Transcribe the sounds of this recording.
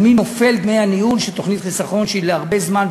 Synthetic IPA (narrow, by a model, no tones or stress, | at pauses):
mino̞fe̞lbnejaniulʃelt̪o̞χnit̪χisaχo̞nʃeileaʁbe̞zman